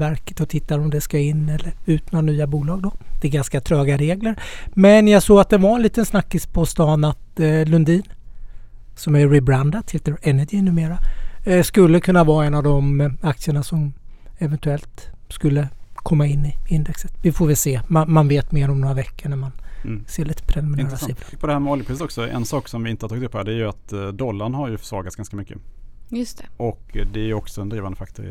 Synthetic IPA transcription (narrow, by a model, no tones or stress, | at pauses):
æɾkə̥t̪ɔt̪ʰɪt̪ːaɾɔmd̪ɛskaɪnːɛlːəɾʉ̟ːt̪noːnyːabuːlɑːɡ̚d̪ɔd̪̥ɛɡanskat̪ʰɾœːɡaɾeːɡləɾmɛnjaɡsoːɡat̪̚d̪ɛvaɾɛnliːt̪ənsnakːɪspʰɔst̪ɑːnat̪lɵnd̪iːn | sɔmæːɪbɾand̪at̪heːt̪əɾɛnədɪnʉ̟ːmeːɾaskɵlːəkʰɵnːavɑːɛnːavd̪ɔmak̚t̪sɪəɳasɔmɛvɛnt̪ɵɛlt̪skɵlːəkʰɔmːaɪnːɪɪnd̪ɛksət̪vɪfoːvɪlseːmanmanveːt̪meːɾɔmnoːɾavɛkːəɳæɾmanseːɭiːt̪ʰə̥pʰɾɛlmɪnaːɾsilapʰɔd̪ɛhæːɾmɛɔljpɾɪsət̪ɔksɔɛ̰nsɑːksɔmvɪɪnt̪əhat̪ʰɑːɡɪt̪ɵpʰːɔæːɖdɛæːjɵat̪d̪ɔlːaɳhaɾjɵfœ̥ʂvɑ̰ːɾɡat̪sɡ̥anskamʏkːəjst̪ɛʔɔkd̪ɛæjɔksɔɛnd̪ɾiːvand̪əfak̚t̪ʰʊɾ̰